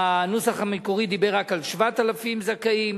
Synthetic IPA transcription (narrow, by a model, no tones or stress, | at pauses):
anusaχamikoʁid̪ibeʁakalʃvat̪alafimzakaim